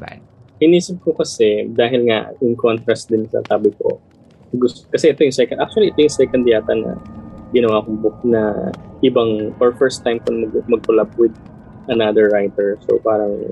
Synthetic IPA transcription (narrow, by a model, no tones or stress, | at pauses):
hɪniːsɪp̚kokɐsɛd̪aːɦɪlŋa̰ʔɪŋkont̪ɾɐst̪̚d̪ɪnsɐ̰t̪aːbɪko̰ | ɡʊskɐsɛʔɛt̪o̞jʊŋsɛkɐʔak̚t͡ʃʊɐliʔɛt̪ojʊŋsɛkɐnd̪ɪjaːt̪ɐnɐ̰ɡɪnɐwaːkʊŋbʊknɐʔɪbaŋoɹfɛɹst̪ːajmpʊnmɐɡmɐɡ̚kolab̚wɪd̪̚ | ʔɐnad̪ɛɹːajt̪ɛɹso̰paːɾɐŋ